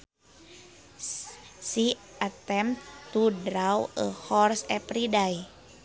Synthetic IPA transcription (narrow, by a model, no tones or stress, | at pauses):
si | at̪ɛmt̪ːudɾawəhɔrsɛpɾidaj